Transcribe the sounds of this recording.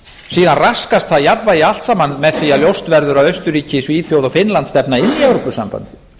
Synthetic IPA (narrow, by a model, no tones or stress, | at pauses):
siːðanraskast̪θaðjapvaial̥t̪saːmanːmɛðθiːaljowst̪vɛɾðʏɾaðœɥst̪ʏɾiːcɪsviːðfjoːwðawfɪnlant̪st̪ɛpnaɪnːiɛwɾopʏsa̰mpa̰nt̪ɪ̥